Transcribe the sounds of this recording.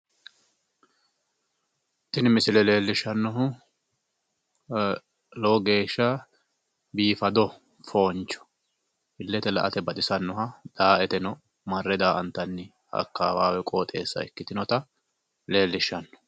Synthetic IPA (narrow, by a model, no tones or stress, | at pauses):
t̪ːɪnɪmɪsɪlɛle̞ːlːɪʃɐnːɔɦʊ | lɔɡe̞ːʃːɐ | biːfɐd̪ɔ | fo̞ːnt͡ʃːɔ̥ | bɪlːɛt̪ɛlɐ̰ʔɐt̪ɛbɐt̪ʼɪsɐnːɔɦɐd̪̥aːʔɛt̪ɛnɔ | mɐrːɛd̪aːʔɐnt̪ːɐnːɪ | ɐ̰kːaːwaːwɛkʼoːt̪ʼe̞ːsːɐ̰ɛkːɪt̪ɪnɔt̪ɐ | le̞ːlːɪʃɐnːɔ̥